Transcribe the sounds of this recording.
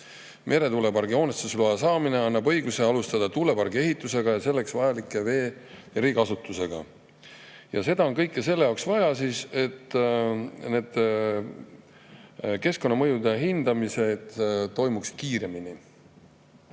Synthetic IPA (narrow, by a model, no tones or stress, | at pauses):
mʔe̞ɾe̞t̪ule̞bɑrɡio̞ːnet̪suslɑjɑsɑːmine̞ɑnːɑbɤ̞jɡuse̞ɑlust̪ɑd̪̥ɑt̪ule̞bɑɾɡie̞ɦit̪ːˑuse̞ɡ̥ɑjɑse̞lːe̞ksvɑjɑlikːˑe̞ve̞ːjɑɾiːɡɑsut̪ːˑuse̞ɡ̥ɑ̰ | jɑse̞d̪̥ɑo̞nkɤjkːˑese̞lːe̞jɑwksvɑjɑsiːse̞t̪ː | ne̞ːd̪̥ | ke̞sko̞nːɑmɤjud̪e̞ɦind̪̥ɑmise̞d̪̥t̪ːo̞jmukskiːɾe̞mini